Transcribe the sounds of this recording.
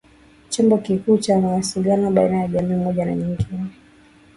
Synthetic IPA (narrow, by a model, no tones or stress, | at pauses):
t͡ʃɔmbɔkikuːt͡ʃanawasiɠanɔɓainajaʄamiːm̩mɔʄana̰ɲiŋɡini